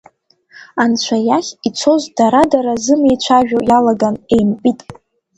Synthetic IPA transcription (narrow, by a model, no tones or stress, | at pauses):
ant͡ɕʷʰajaχʲit͡sʷʰo̞zdaɾadaɾazɨme̞jt͡ʃʷʰaʒᶣojalaɡane̞jmpʼitʼ